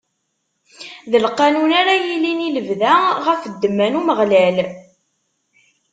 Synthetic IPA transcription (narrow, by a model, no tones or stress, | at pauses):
ðəlqɑnunaɾæjilːiniləvðæʁəfəd̪ːəmːænuməʁlæl